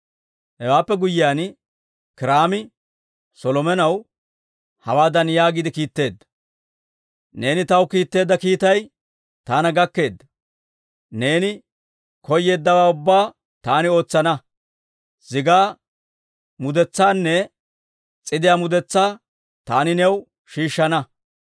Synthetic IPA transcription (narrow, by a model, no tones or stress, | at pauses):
hɛwaːpːɛɡʊjːɪjaːn | kɪɾaːmɪ | sɔlɔmɛnɐw | hɐ̰waːd̪ɐnjaːɡɪd̪ɪkiːt̪ːe̞ːd̪ːɐ̥ | ne̞ːnɪt̪ɐwkiːt̪ːe̞ːd̪ːɐkiːt̪ɐj | t̪aːnɐɡɐkːe̞ːd̪ːɐ | ne̞ːnɪ | kɔjːe̞ːd̪ːɐwaːʊbːaː | t̪aːnɪo̞ːt͡sːɐnɐ | z̥ɪɡaː | mʊd̪ɛt͡sːaːnːɛ | t͡sʼɪd̪ɪjaːmʊd̪ɛt͡sːaː | t̪aːnɪnɛw | ʃiːʃːɐnɐ